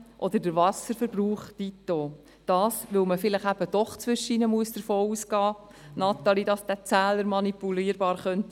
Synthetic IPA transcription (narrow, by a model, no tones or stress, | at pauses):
ʔɔd̪əɾdəɾvɑsəɾfəɾb̥ruːχdit̪oː | d̥ɑːsʋɵlməfɪləχæb̥əd̥ɔχt͡sʋʏʃəinəmuəsd̥əɾfoːuːsɡɑː | nɑt̪ɑlidɑsd̥̪æt͡sæːləɾmɑnipuliːəɾb̥ɑːɾχœnt